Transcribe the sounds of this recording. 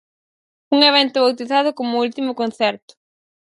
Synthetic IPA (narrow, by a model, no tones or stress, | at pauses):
uŋeβɛnt̪ʊβawt̪iθaðʊkomʊult̪imʊkõn̟θɛɾt̪ʊ̥